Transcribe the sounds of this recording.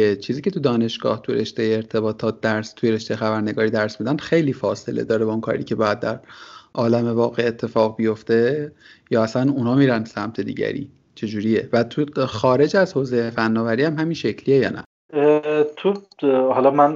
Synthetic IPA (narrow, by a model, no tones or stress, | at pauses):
et͡ʃʰiːziːcʰe̞t̪ud̪ɒːne̞ʃɡ̥ɒ̰ːht̪ʰuɾe̞ʃt̪ejeːɾt̪ʰe̞bɒːt̪ʰɒːt̪̚d̪æɾst̪ʰujeɾe̞ʃt̪ejexæbæɾne̞ɡɒːɾiːd̪æɾsmid̪ænxe̞jliːfɒːse̞̰led̪ɒːɾebɒunkʰɒ̰ːɾḭːcʰe̞bɒːjæd̪̚d̪æɾʔɒːlæme̞vɒːɣe̞et̪ʰːe̞fɒːɣbijo̞ft̪e̞jɒːæsænunhɒːmiːɾænsæmt̪ʰe̞d̪ḭːɟæ̰ɾḭː | t͡ʃʰe̞d͡ʒuːɾiːje̞væt̪ʰuxɒːɾe̞d͡ʒæzhoːze̞jefænːɒːvæɾiːhæmɦæminʃe̞cʰliːejɒːnʔæ̰ | t̪ʰuhɒlɒmæn